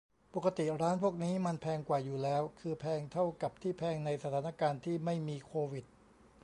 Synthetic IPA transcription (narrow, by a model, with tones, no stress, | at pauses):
po˨˩ka˧t̪i˨˩ɾaː˦˥npʰu˥˩k̚niː˦˥ma˧npʰɛː˧ŋkwaː˨˩juː˨˩lɛː˦˥wkʰɯː˧pʰɛː˧ŋt̪ʰa˥˩wka˨˩p̚t̪ʰiː˥˩pʰɛː˧ŋna˧jsa˧t̪ʰaː˩˦na˥˩kaː˧nt̪ʰiː˥˩ma˥˩jmiː˧kʰoː˧wi˨˩t̪̚